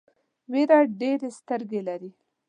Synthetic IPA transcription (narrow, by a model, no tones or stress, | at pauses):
weɾaɖeɾest̪əɾɡelaɾi